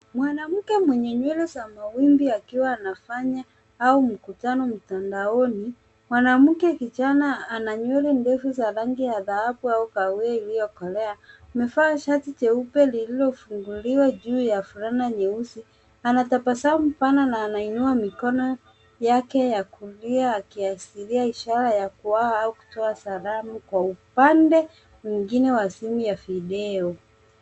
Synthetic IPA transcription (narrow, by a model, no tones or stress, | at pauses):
mwanam̩kɛmwɛɲɛɲwɛlɛzamawimbiakiwaːnafaɲa | aum̩kutanɔm̩tandaɔni | mwanam̩kɛkit͡ʃanaanaɲwɛlɛndɛfuzaɾaŋɡijaðahaɓuaukauailijɔkɔlɛa | mɛfaːʃatit͡ʃɛupɛlililɔfuŋɡuliwaʄuːjafuɾanaɲɛusi | anatapasamupananaːnainuamikɔnɔ | jakɛjakuliaːkiasiɾiaiʃaɾajakuwaaauku̥tɔasaɾamukwaupandɛ | miŋɡinɛwasimujafiɗɛɔ